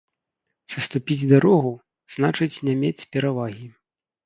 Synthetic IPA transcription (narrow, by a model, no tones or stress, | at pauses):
sɐst̪upʲid͡zʲd̪aɾɔɣu | z̥nat͡ʂɨt͡sʲnʲamʲet͡sʲpʲɛɾavaɣʲi